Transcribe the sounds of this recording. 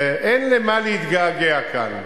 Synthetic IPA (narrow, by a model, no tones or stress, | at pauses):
ʔenlemaleit̪ɡaːɡeakʰa̰n